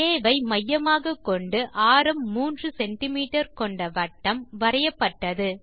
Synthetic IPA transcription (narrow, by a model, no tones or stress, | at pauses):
eːʋɐɪmɐjːɐmaːɣɐkːɔɳɖɯʔaːɾɯmːuːndrɯsɛnʈɪmiːʈɐɾkɔɳɖɐʋɐʈːɐmʋɐɾɐjɐpːɐʈːɐðɯ